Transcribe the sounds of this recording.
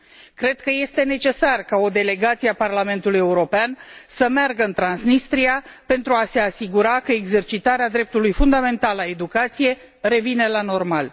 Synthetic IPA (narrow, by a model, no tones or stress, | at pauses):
kɾe̞d̪kəje̞st̪e̞ne̞t͡ʃe̞sarkao̞d̪e̞le̞ɡat̪sieaparlame̞nt̪uluje̞uɾo̞peansəmearɡəɨnt̪ɾansnist̪ɾiape̞nt̪ɾuase̞asiɡuɾakəeɡze̞rt͡ʃit̪aɾead̪ɾe̞p̚t̪ulujfund̪ame̞nt̪alae̞d̪ukat̪sije̞ | ɾe̞vine̞lano̞rmal